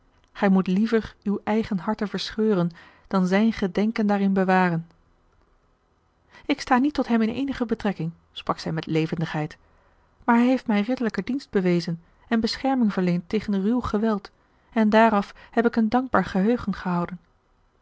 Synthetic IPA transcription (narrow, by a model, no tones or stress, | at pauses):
χɛjmutlivəɹywɛjχənɦɑɹtəvəɹsχøːrən | d̥ɑnzɛjnχədɛŋkəndaːrɪnbəʋaːrən | ɪkstaːnitːɔtɦɛmɪnḛjnəχəbətrɛkɪŋ | sprɑksɛjmɛtlejvəndəχɦɛjt | maːɹɦɛjɦejftmɛjrɪdələkədinsd̚b̥əʋejzən | ɛnbəsχɛɹmɪŋvəɹlejntejχənrywχəʋɛlˠt | ɛndaːrɑfhɛpɪkəndɑŋɡ̚baːɹχəɦøɥχənχəɦɑwdən